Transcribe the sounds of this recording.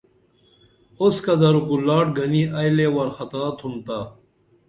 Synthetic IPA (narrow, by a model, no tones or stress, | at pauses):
oskɐd̪ɐɾukulaːʈɡɐniɐjleːwɐɾxɐt̪aːt̪ʰunt̪aː